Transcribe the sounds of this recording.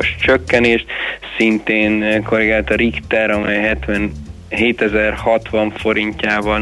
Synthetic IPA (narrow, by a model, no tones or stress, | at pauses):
oʃt͡ʃøkːɛneːʃt̪sint̪eːnko̞ɾiɡaːlt̪ɒɾikt̪ɛɾɒmɛjɦɛt̪ʋɛn | ɦeːt̪ɛzɛrhɒt̪ʋɒɱfo̞ɾiɲcaːvɒ